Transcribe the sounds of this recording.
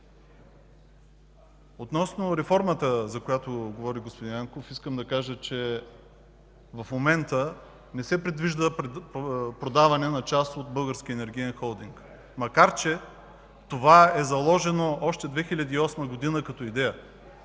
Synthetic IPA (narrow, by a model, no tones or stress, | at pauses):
ot̪nɔsnoɾɛfɔɾmət̪əzɐkojat̪oɡovɔɾiɡospod̪injaŋkofiskəmd̪ɐkaʒət͡ʃɛ | vɐfmomɛnt̪ə | nɛsɛpɾɛd̪viʒd̪ə | pɾod̪avɐnɛnɐt͡ʃast̪ot̪̚bɤlˠɡəɾsk̟ʲiɛnɛɾɡʲiɛnxɔlˠd̪iŋk | mɐkaɾt͡ʃɛ | t̪ovaɛzɐlˠɔʒɛnoɔʃt̪ɛd̪vɛxilʲɐd̪iːɔsməɡod̪inəkɐt̪ɔid̪ɛjə